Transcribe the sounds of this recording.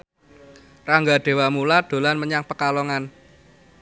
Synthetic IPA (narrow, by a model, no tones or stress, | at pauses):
raŋɡaɖ̪̥e̤wamulad̪̥o̤lanməɲaŋpəkalɔŋan